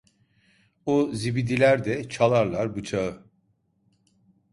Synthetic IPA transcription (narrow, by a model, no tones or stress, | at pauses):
uzibid̪ilʲæɾd̪ɛt͡ʃʰalˠaɾlˠaɾbut͡ʃʰaɯ